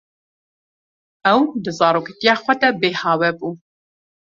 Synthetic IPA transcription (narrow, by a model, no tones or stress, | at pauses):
ɛwd̪ɨzɑːɾoːkɛt̪ijɑːxʷɛd̪ɛbeːhɑːwɛbuː